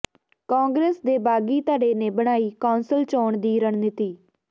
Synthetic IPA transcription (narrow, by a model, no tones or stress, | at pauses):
kãːŋɡɾeːsd̪eːbaːɡiːt̪aːɖeːneːbəɽ̃aːiːkaːnsəlt͡ʃoːɳd̪iːɾəɳnɪt̪iː